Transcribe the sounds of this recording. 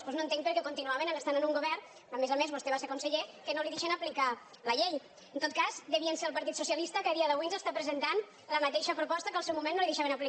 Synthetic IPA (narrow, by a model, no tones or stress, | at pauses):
spoznoənt̪eŋkpəɾkɛkunt̪inuaβenənəst̪anənuŋɡuβɛr | əmezamezβust̪eβaseɾkunseʎekənoliðeʃenəplika | ləʎej | ənt̪ot̪̚kazd̪əβiənseɾəlˠpɐɾt̪it̪susijɐlist̪əkəðiɐðəβujnzəst̪apɾəzənt̪an | ləmət̪eʃəpɾupɔst̪əkəlˠsɛwmumenːoliðeʃaβenəpli